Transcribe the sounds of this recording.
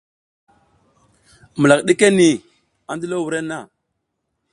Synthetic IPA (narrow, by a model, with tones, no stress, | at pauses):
mə˨la˨kɗe˦ke˦ni˨ | a˨ndi˦lo˦wu˨ɾe˦na˦˨